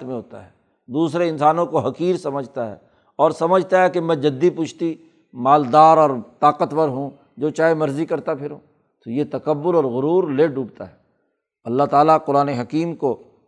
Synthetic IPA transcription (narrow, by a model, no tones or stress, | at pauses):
t̪mẽɦoːt̪a̰ɦɛː | d̪uːsɾeɪ̃nsaːnõkoɦɐkiːɾsɐməd͡ʒʱt̪aɦɛ̰ː | ɔːɾsɐməd͡ʒʱt̪aɦɛkemɛ̃d͡ʒɐd̪ːipʊt͡ʃʰt̪i | maːld̪aːɾɔːɾt̪aːqət̪pɐɾɦũ | d͡ʒoːt͡ʃaːɦemɐɾzikɐɾt̪apʰɪɾɦũː | t̪ojet̪ɐkəbːʊɾɔːɾɣʊɾuːɾleːɖʱuːɡt̪aɦɛ | ɐlːaɦt̪aːlaqʊɾaːneɦɐkiːmko